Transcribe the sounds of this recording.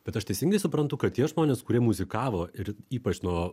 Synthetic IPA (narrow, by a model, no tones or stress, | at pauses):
b̥ʲɛt̪ɐʃt̪ʲɛɪsʲɪŋɡɐɪsʊpɾɐnt̪ʊkɐt̪̚t̪ʲiɛʒmoːnʲeːskʊɾʲiɛmʊzʲɪkɑːʋoːɪɾiːpɐt͡ʃnuɔ